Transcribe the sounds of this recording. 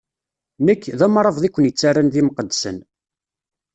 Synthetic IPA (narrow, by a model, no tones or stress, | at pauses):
nəkːðæmɾˤəvðˤikʷːənjət͡sːarːanðiməqəd̪ːsə̰n